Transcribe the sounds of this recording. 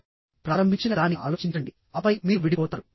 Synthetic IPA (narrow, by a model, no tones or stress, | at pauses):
pɾaːɾɐmbʱiɲt͡ʃinɐd̪aːnia̰ːlo̞ːt͡ʃiɲt͡ʃɐɳɖi | ɐpɐjmiːuʋiɽipɔːt̪ɐːɾu